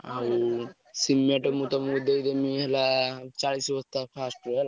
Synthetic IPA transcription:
a | simjaʈɔmut̪ɔmud̪ed̪emiɦelat͡ʃaɽisbət̪apʰasʈɾɦela

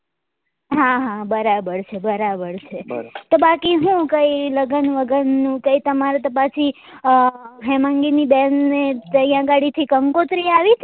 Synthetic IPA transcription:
ɦaɦãbəɾabəɾt͡ʃʰebəɾabəɾt͡ʃʰet̪obakiɦũkəiləɡənʋəɡənːũkəit̪əmaɾet̪opat͡ʃʰi | ɦɛmãŋɡinibɛnːet̪əjãɡaɽit̪ʰikəmkot̪ɾiaʋit̪ʰ

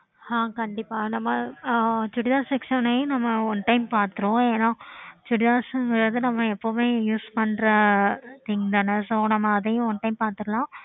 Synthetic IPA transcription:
hãːkɐɳɖɪpːaːnɐmːɐ | t͡ʃʊɽɪðaːsɛksɐnɐjʊ̃nɐmːɐɔnːʈɐɪmpaːɾt̪ɯɾõːeːnaːt͡ʃʊɽɪðaːsɯŋɡɪɾɐðɯnɐmːɐɛpːomeːjuːspɐɳɾɐt̪ɪŋd̪aːnɐsoːnɐmːɐːðɐjʊ̃ɔnːʈɐɪmpaːɾt̪ɯkːɐlãː

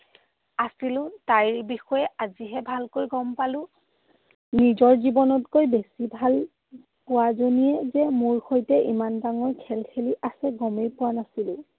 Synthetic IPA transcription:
asilʊ̃taɹbixɔjɛaziɦɛbʱalkojɡɔmpalʊ̃ | nizɔɹzibɔnɔtkojbesibʱal | pʊwazonijɛzɛmuɹxojtɛʔimanbaŋɔɹkʰɛlkʰeliʔasɛɡɔmejpʊwanasilʊ̃

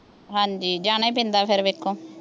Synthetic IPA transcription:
ɦãːɲd͡ʒiːd͡ʒaːɽ̃eːp̬ẽːnd̪aːpʰɪɾʋeːkʰːõː

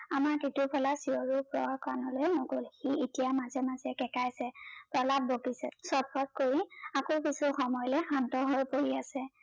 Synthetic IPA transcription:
amaɹkitupʰɔlasiɔɹupɹɔ̰kanɔlojnɔɡolxietijamazɛmazɛkɛkajsɛpɹɔlab̚ːokisɛsɔpʰɔt̚koɹiakoɹkisɔxɔmɔjɔlɛxantɔɦojpoɹiasɛ

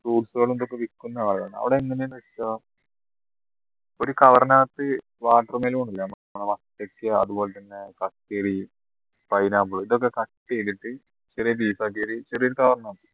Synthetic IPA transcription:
ʈuːɖsɨɣoːɭend̪okːeʋikːunːɐaːɭɐða̰ːɳɨɐ̰ʋiɽeeŋːɐnejunːʋetːaː | o̞ɾukɐʋɐɾɐnaːt̪ːɨ | ʋaːʈːɐrɨmeːlumoɳɖilːɐm | ɳɐmɐt̪ːekːeɐ̰ðubo̞ːlet̪ɐnːe̞kɐʈːeːɽi | pɐjnaːpːuɭuiðo̞k̬ːekɐʈːeliʈːɨ | t͡ɕerijɐbiːsaːkːeɾit͡ɕerijoɾukɐʋɐrɐnaːt̪ːɨ̥

